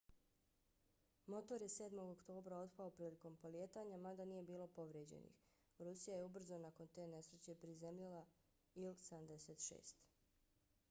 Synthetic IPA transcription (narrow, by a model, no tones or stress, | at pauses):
mo̞t̪o̞ɾje̞se̞ːd̪mo̞ɡokt̪o̞ːbɾao̞t̪paopɾiːliko̞mpo̞lje̞ːt̪aːɲamad̪aniːje̞biːlˠo̞po̞ʋɾjeːd͡ʑḛnḭx | ɾusijajeubr̩zonako̞nt̪e̞ːne̞sɾet͡ɕe̞pɾizemʎilˠa | ilsamd̪e̞se̞ːt̪ʃḛːst̪